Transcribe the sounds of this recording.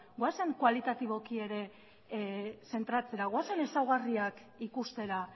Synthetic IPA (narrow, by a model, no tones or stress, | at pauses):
ɡoase̞ŋkoalit̪at̪iβ̞o̞kie̞ɾe̞ | se̞nt̪ɾat͡se̞ɾaɣ̞oase̞ne̞sawɣariak | ikust̪e̞ɾa